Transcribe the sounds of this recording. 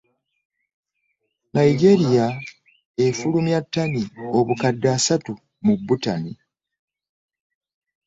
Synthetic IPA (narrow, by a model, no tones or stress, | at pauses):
najiɡe̞ɾija | efulumjatːanio̞βukadːasatu | mubːutani